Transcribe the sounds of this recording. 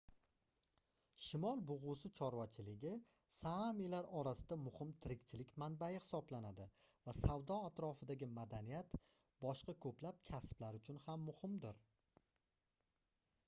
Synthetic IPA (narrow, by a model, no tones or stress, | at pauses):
ʃɪmɒlˠbʊʁʊsɪt͡ʃʰɒɾwat͡ʃʰɪlɪɡʲɪ | samilaɾɒɾasɪd̪amʊhɪmt̪ʰɪɾɪkʲt͡ʃʰɪlɪkʲmanbajɪhɪ̥sɒblanad̪ɪvasawd̪ɒat̪ɾɒfɪd̪aɡʲɪmad̪anijat̪ | bɒʃqɑkʰɵplap̚kʲʰasblaɾʊt͡ʃʰʊnhamːʊhɪmd̪ɪɾ